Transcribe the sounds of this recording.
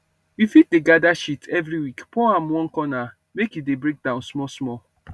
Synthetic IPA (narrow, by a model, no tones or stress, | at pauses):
jifit̚deɡadaʃitʰɛvɾiwikpɔãmwɔ̃kɔna | mekjudebɾek̚dãʊ̃nsmɔsmɔ